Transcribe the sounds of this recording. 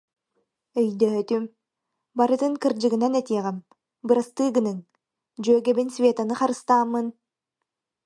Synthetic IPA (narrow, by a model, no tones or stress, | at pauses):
œjd̪øːt̪ym | bɑɾɯt̪ɯŋkɯɾd͡ʒɯɣɯnanɛt̪iɛʁɛm | bɯɾast̪ɯːɡɯnɯŋ | d͡ʒøːɡɛbinsʲvʲet̪anɯχɑɾɯst̪ɑːmːɯn